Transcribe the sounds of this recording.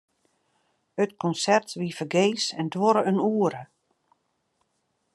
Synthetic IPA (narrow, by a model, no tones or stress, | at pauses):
ətkʰɔnsɛrtʋifərɡeːsɛndwoɾəənuːəɾə